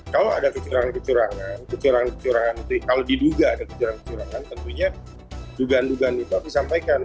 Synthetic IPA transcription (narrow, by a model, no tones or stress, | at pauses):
kaloa̰dakət͡ʃuɾaŋankət͡ʃuɾaŋankət͡ʃuɾaŋankət͡ʃuɾaŋanət̪ukalodiduɡaːdakət͡ʃuɾankə̥t͡ʃuɾaŋant̪ənt̪uɲa | duɡaːnduɡaːnit̪uabisampajkan